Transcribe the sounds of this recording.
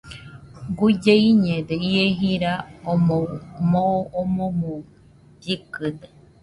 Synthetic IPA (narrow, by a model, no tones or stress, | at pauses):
ɡud͡ʒeiɲẽd̪eieɦiɾaomomooːmõmõ | bikɨd̪e